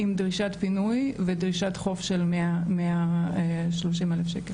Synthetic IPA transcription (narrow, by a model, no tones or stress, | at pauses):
imdʁiʃat̪pinujvedʁiʃat̪χo̞fʃelmeamea | ʃloʃ̬imelefʃekel